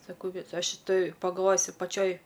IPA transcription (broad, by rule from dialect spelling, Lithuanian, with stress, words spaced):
sɐˈkɐʊ ʋʲɪˈsoːj ʃʲɪˈtoːj pɐɡɐlˠˈʋoːjʊs ɪr pɐˈt͡ʃʲoːj